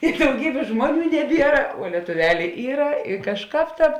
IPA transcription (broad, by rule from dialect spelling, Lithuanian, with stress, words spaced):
ɪ dɐʊˈɡʲiːbʲeːs ˈʒmuɔˌnʲuː nʲɛˈbʲiɛrɐ ʋuɔ lʲiɛtʊˈʋʲæːlʲeː ˈiːrɐ ɪ kɐʃˈkɑːp ˈtɑːp